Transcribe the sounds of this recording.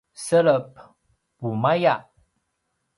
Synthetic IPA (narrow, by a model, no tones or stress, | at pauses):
sələp̚ | bumajaʔ